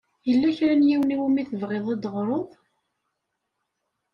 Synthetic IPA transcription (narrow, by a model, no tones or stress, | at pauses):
jəlːæçɾænjiwəniwimiθəvʁeðˤæd̪ʁɾˤoðˤ